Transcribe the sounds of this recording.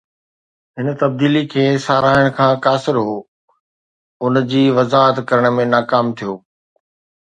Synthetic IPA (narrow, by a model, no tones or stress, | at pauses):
ɦɪnt̪ɐb̚d̪iːlikʰeːsaːɾaːɪəɽ̃kʰãːkaːsɪɾɦoː | ʊnd͡ʑiːʋɐzaːɦət̪kɐɾəɽ̃mẽnaːkaːmt̪ʰijoː